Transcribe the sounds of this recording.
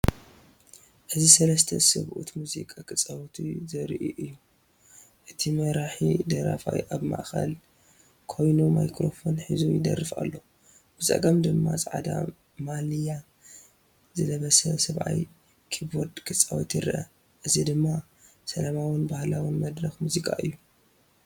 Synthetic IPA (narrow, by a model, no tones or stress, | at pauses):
ħɨzisɐlɐst̪ʰɐ̰sɨβʔṵt̪muzikʼakʰɨt͡sʼːawt̪ʰizɐɾʔḭʔɨjːu | ʔɨt̪ʰimɐɾaħid̪ɐɾa̰fa̰jʔaβma̰ʔxɐ̰l | kʰo̞jnumajkɾo̞fo̞nħizujɪd̪ɐ̰rːɨfa̰lːo | b̥ɨt͡sʼɐ̰ɡɐmd̪ɨmːasʼʕa̰d̪a̰ | malija | zɨlɐβɐsɐsɐβʕa̰j | kʰiboɾd̪kʰɨt͡sʼːawt̪jɨɾʔɐ | ʔɨzid̪ɨmːa | sɐlamawɨnbahlawɨnmɐd̪ɾɐxmuzikʼaʔɨjːu